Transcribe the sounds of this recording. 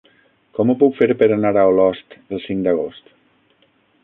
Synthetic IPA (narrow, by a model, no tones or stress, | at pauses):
kɔmupukfeɾpəɾanaɾawlɔst̪əlˠsiŋd̪əɣ̞ost̪